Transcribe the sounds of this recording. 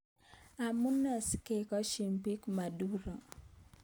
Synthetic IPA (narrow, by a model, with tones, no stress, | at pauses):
a˨mu˦nɔ˨ske˦˨kɔ˦ʃi˨mbi˦kma˨du˦ɾɔ˨